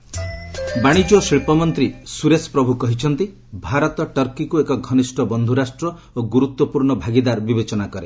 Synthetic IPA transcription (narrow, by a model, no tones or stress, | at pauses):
baɽ̃id͡ʒosiɭpɔmɔnt̪ɾisuɾespɾɔbʱukɔɦit͡ʃʰɔnt̪i | bʱaɾɔt̪ɔʈɔɾkikuekɔɡʱɔnisʈɔbɔnd̪ʱuɾasʈɾɔ | oɡuɾut̪wɔpuɾɳɔbʱaɡid̪aɾbibet͡ʃɔnakɔɾe